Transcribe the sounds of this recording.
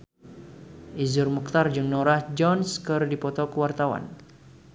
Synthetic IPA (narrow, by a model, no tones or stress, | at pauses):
ʔizʊrmuk̚t̪ard͡ʒɨŋnɔɾahd͡ʒɔnskərdipɔt̪ɔkəwart̪awa̰n